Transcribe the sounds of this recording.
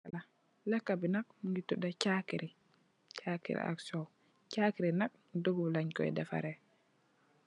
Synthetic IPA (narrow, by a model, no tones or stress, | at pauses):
ala | lɛkːabinak̚mŋɡituɗat͡ʃakiɾʔi | t͡ʃakḭɾḭa̰ksɔw | t͡ʃakiɾinak̚ | doɡulaɲkɔɛ̰dɛfa̰ɾɛ